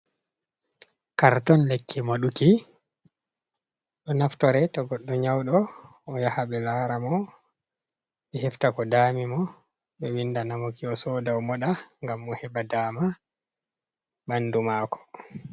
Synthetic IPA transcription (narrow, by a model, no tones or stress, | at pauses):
kaɾtɔnlekʰːimaɗuki | ɗɔnaftɔɾɛtɔɡɔɗːɔɲawɗɔː | jahaɓɛlaːɾamɔ | ɓɛhɛftakɔdaːmimɔ | ɓɛwindanamokiɔsɔːdawmɔɗaŋɡamːɔhɛbadaːma | bandumaːkɔ̥